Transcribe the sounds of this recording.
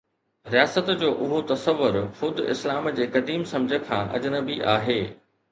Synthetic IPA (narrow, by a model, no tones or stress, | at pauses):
ɾijaːsət̪d͡ʑoːʔʊɦot̪ɐsəʋːʊɾxʊd̪ʱʊɪ̰slaːmd͡ʑeːkɐd̪iːmsɐ̃md͡ʑʱəkʰã̰ːʔɐ̰d͡ʑənəbiʔaːɦeː